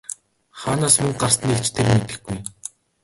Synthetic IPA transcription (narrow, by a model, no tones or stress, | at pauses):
χaːnaːsmɵŋɢar̥st̪ə̆nekt͡ɕʰt̪ʰermet̪ɘ̆ɡɡuj